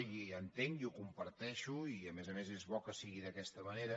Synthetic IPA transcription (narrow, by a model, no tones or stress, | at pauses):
iənt̪eŋɡiukumpəɾt̪ɛʃuiəmezəmezezβɔkəsiɣiðəkɛst̪əməneɾə